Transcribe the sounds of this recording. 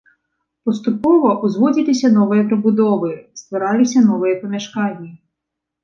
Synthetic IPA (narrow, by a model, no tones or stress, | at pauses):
pɔst̪ʊpɔʋɔʔʊzʋɔdʲɪlɪsʲɐnɔʋɪjɛpɾɪbʊd̪ɔʋɪst̪ʋɐɾɑlʲˠɪsʲɐnɔʋɪjɛpɐmʲɐʃkɑnʲːɐ